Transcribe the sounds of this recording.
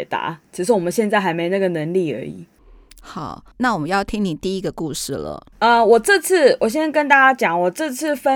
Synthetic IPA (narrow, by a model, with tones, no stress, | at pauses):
ɛ˨˩t̪a̰˧˥˦t͡ɕʰi˧˥ʂɻ̩˧˥wɔ˨˩mə˨˦nɕjɛ˥˧nt͡sa˥ɪxa˧ɪme˧˥ɪ˨˧a˥˩ɡə˩nə˧˦˥ŋli˥˨˩ə̰˧˥ḭ˨˩ | xɑ˨˩˦ʊna˥˩wɔ˨˩mə˦jɑ˥˩ʊt̪ʰi˥ŋni˨˩t̪i˥˧i˥ɡə˨ku˥˧ʂɻ̩˥˩lə̰˩ | ə˧wɔ˨˩ʈ͡ʂɤ˥˧t͡s̩ʰ˥˩wʔɔ˨˩ɕ̬ɛ˥kə˦˥nt̪a˥˩t͡ɕja˥t͡ɕjɑ˨˩ŋwɔ˨˩ʈ͡ʂɤ˥˧t͡s̩ʰ˥˩fə˦